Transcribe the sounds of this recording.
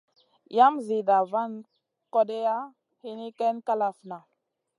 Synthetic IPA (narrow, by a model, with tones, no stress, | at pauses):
ja˦mzi˨da˨va˦˨n | ko˦de˦ja˦ | hi˦ni˦ke˦nka˦la˨fna˨